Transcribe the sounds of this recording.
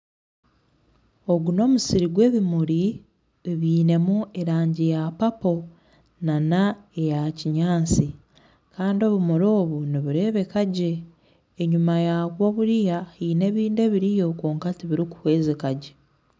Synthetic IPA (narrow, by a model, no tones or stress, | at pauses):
o̞ɡuno̞ːmusiɾiɡwe̞ːβimuɾi | βiːne̞mue̞ɾaːɲɟijapapo̞ | nanaejaciɲaːnt͡si | kaːndio̞βumuɾo̞ːβuniβuɾe̞ːβe̞kaɟe̞ː | ɲumajaβwo̞βuɾijahiːne̞βiːnde̞βiɾijo̞kuːŋkatiβiɾiku̥hweːzekaɟe